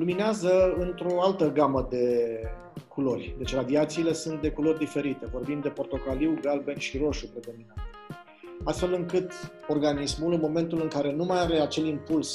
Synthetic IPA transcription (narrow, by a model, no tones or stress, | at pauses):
lumineazəɨnt̪ɾo̞alt̪əɡaməd̪e̞ | kʰulo̞rʲd̪e̞t͡ʃɾad̪iat̪siːle̞sunt̪̚d̪e̞kulo̞rʲd̪ife̞ɾit̪e̞vo̞rbimd̪e̞po̞rt̪o̞kaliwɡalbe̞nʃiɾo̞ʃupɾe̞d̪o̞minnat̪ | ast̪fe̞lɨŋkɨt̪o̞rɡanismulɨnmo̞me̞nt̪ulɨŋkaɾe̞numajaɾe̞at͡ʃe̞limpuls